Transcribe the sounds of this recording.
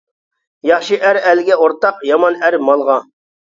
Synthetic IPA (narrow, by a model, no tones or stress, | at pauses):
jɑχʃɨʔæɾælɪɡʲɛoɾt̪ɑqjɑmɑnæɾmɑlˠʁɑ